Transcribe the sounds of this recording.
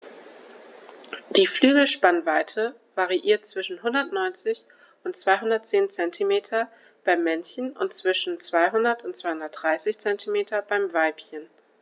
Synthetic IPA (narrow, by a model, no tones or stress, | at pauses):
d̥iːflyːɡl̩ʃpanvaɪtʰə | vaʁiʔiːɐt̚t͡sv̥ɪʃn̩ɦʊndɐtnɔʏnt͡sɪç | ʊntt͡sv̥aɪɦʊndɐt̚t͡seːnt͡sɛntʰimeːtʰɐ | b̥aɪmːɛnçən̩ʊ̰ntt͡sv̥ɪʃn̩t͡sv̥aɪɦʊndɐtʊntt͡sv̥aɪhʊndɐt̚d̥ʁaɪsɪçt͡sɛntʰimeːtʰɐbaɪmvaɪpçən